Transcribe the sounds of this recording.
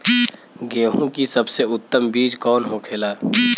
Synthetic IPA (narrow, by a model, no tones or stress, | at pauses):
ɡeːɦũkisɐbseʊt̪ːəmbiːd͡ʒkɔːnɦokʰeːlaː